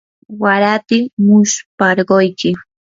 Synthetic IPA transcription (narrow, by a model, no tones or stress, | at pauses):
waɾat̪ɪmʊʃpɑɾɢojkɪ